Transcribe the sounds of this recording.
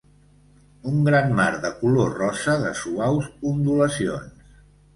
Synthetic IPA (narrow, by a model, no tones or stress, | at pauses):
uŋɡɾanmaɾðəkulorɔsəðəsuawspund̪uləsio̰ns